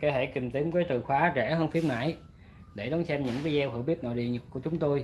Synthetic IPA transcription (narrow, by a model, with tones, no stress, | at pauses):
ke˧hḛ˧˨ki˨˩mt̪i˨˦əmkaː˨˦jt̪ɨ˨˩xwaː˨˦t͡ɕɛ˧˩ɦəː˧nfi˧əmna̰ː˧˥j | ɗe˧˩ɗɔ˨˦nsɛ˧mɲɨ̰˧˥ŋka˨˦zɛ˧whɨ̰˧˩əwɓi˦˥p̚no̰˧˨jɗḭ˧˨ɲə˨˩t̚ku˧˩ət͡ɕʊ˨˦ŋ͡mt̪o˧j